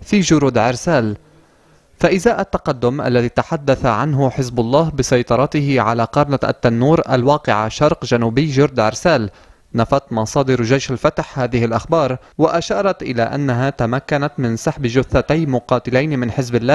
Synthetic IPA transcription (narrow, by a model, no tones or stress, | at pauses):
fiːʒʊɾuːd̪ʕɪɾsaːl | faʔɪzaːʔat̪ːɑqɑd̪ːʊmʔa̰lːaðiːt̪aħad̪ːaθaʕanɦʊħɪzbʊlˤːɑːɦbɪsɑjt̪ˤɑɾˤɑt̪ɪhɪʕa̰laqɑɾˤnaʔa̰t̪ːanːuːɾʔa̰lwɑːqɪʕa̰ʃɑɾˤqʒanuːbɪjːʒʊɾd̪ʕɪ̰ɾsaːl | nafat̪mɑsˤɑːd̪ɪɾʒajʃalfat̪ħhaːðɪhɪlʔaxbɑːɾˤ | waʔaʃɑːɾˤɑt̪ʔɪla̰ʔa̰nːaɦat̪amakːanat̪mɪnsˤaħbʒʊθːat̪ajmʊqɑːt̪ɪlajnmɪnħɪzbɪlːaːh